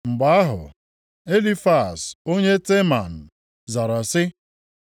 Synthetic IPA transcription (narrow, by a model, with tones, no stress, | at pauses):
ŋ͡m̩˨ɡ͡ba˦a˦ɦʊ̰˨ | e˦li˦fa˨so˦ɲe˦te˦ma˨n̩˨ | za˨ɾa˨sɪ˦